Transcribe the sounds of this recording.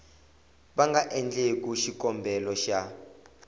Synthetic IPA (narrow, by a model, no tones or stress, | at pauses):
ɓaŋɡʱaʔɛnd͡ɮek̬ʼuʃik̬ʼɔmbʱɛlɔʃa